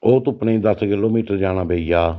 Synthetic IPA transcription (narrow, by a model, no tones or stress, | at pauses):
oːt̪ʊpnẽːd̪əskɪloːmiːʈəɾd͡ʒaːɽ̃aːbeːijaː